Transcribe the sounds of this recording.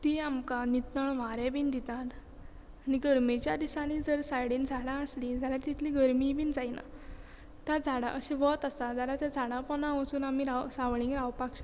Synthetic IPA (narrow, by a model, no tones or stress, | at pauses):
t̪iamkanit̪nəɳʋaɾebiːnd̪it̪at̪ | añiɡəɾmet͡ɕjad̪isãnid͡zəɾsajɽind͡zʱaɽãəslid͡zalat̪it̪ʰliɡəɾmibiːnd͡zajna̰ | t̪jad͡zʱaɽa̰ʔəɕeʋɔt̪əsad͡zalat̪jad͡zʱaɽãpɔnãʋəsuːnamiɾasaʋɭĩŋkɾawpakɕ